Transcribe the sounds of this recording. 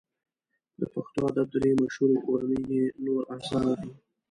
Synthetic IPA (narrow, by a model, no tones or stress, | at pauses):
d̪əpaxt̪oad̪at̪̚d̪əɾemaʃhuɾoʔoɾanəjenoɾazɑnad̪i